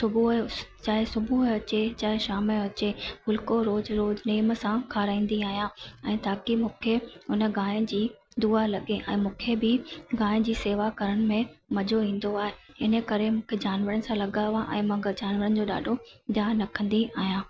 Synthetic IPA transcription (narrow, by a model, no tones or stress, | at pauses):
sʊbut͡ɕaːɦesʊbʱuɦɐt͡ɕet͡ɕaːɦɪʃaːmɪɐt͡ɕemʊlkoɾoːzɾoːzneːmsãkʰaːɾaːĩːn̆d̪iaːɦijãɛ̃ːt̪aːkimũːkʰeʊnə̆ɡaːj̃ə̃d͡ʑiː | d̪uːalɐɠeʔɛ̃ːmũːkʰebɪɡaːɪ̃ə̃d͡ʑiːseːʋakɐɾəɽ̃̆mẽmɐd͡ʑoʋĩːn̆d̪oaːɦe | ɪnə̆kɐɾemũːkʰed͡ʑaːnʋəɾənɪ̆sãlɐɠaʋãʔɛ̰̃ːmɐ̃ːɡəd͡ʑaːnʋəɾənɪ̆d͡ʑoːɗa̰ːɖʱo | d̪ʱjaːnɐkʰə̃nd̪iaːɦijãː